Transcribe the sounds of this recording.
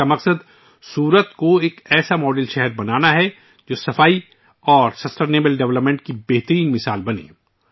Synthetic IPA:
amɐqsəd̪ | suːɾət̪koeːkɛːsamɔːɖəlʃɛɦɛɾbɐnaːnaɦɛ | d͡ʒoːsɐfaːi | ɔːɾsɐsʈeːneːbəlɖɛʋləpmẽɳʈkibɛɦt̪əɾiːnmɪsaːlbɐnḛ̃ː

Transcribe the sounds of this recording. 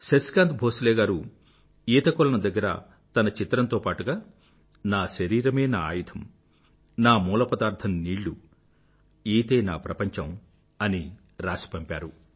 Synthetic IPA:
seskaːnt̪bʱoːslɛːɡaːɾu | iːt̪ɐkɔlɐnɐd̪ɐɡːɐɾɐ̰ | t̪ɐnɐt͡ʃit̪ɾɐnt̪oːpaːʈuɡaː | naːʃɐɾiːɾɐmeːnaːa̰ːjit̪ʰɐm | naːmuːlɐpɐd̪aːɾt̪ʰɐnniːɭːu | iːt̪eːnaːpɾɐpɐɲt͡ʃɐm | ɐni | ɾaːsi̥pɐmpʲaːɾu

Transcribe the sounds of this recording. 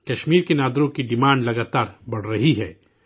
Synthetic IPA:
kɐʃmiːɾkenaːd̪ɾõkiɖɪmãːɳɖlɐɡaːt̪aːɾbɐɽ̤ɾɐɦiɦɛː

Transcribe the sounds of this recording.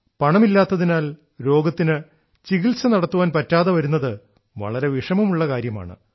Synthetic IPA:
pɐɳɐmilːaːt̪ːɐðinaːl | ɾo̞ːɡɐt̪ːinɨ | t͡ɕiɣilsɐnɐɽɐt̪ːuʋaːnpɐtːaːðɐʋɐɾunːɐðɨ | ʋɐ̰ɭɐɾe̞ʋiʂɐmumuɭːɐkaːɾjɐma̰ːɳɨ̰

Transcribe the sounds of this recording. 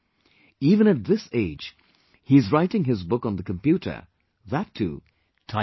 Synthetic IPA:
ivə̃ñɨt̚ðɪseɪ̥d͡ʒ | hiɨzɹaɪɾɪ̃ŋɦɪzbʊkn̩ðəkə̃mpjʉɾə̰˞ | ðætʰːṵ | tʰã

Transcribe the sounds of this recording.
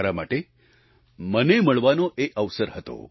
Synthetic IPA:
ɾama̰ʈe | məneməɭʋanoʔeəʋsəɾɦət̪o̰

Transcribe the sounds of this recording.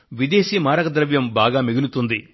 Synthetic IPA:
ʋid̪eːsiːmaːɾɐkɐd̪ɾɐʋjɐmbaːɡaːmiɡilut̪und̪i

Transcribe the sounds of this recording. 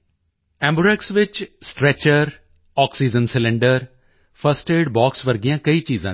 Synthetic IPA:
ɛ̃ːmbɾɛksʋɪt͡ʃsʈɾɛt͡ʃəɾ | ɔːksiːd͡ʒənsɪlɪ̃ɳɖəɾ | pʰəsʈeːɖbɔːksʋəɾɡɪjãːkəiːt͡ʃiːzã̰ː

